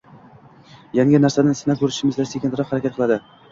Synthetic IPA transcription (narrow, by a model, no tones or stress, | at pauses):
jaŋʲɪnaɾsanansɪnakʲʰɵɾɪʃɪmɪzd̪asekʲent̪ʰɾɑqhaɾakʲat̪qʰɨlˠad̪ɪ